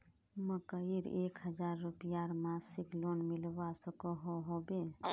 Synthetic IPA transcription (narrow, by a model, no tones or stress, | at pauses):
məkəiɾeːkhəd͡ʒaɾːupijaɾmasiklonmɪlbasəkoɦoɦobe